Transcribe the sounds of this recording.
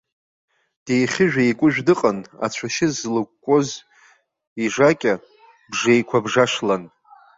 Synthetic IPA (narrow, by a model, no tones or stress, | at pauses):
d̥ejχʲɪʒᶣajkʷʼʊʒᶣdɨqʼana̰t͡ɕʷʰaʃɪzlɨkʷkʷʼːoz | iʐakʲʼa | bʐejkʷʰabʐaʂlan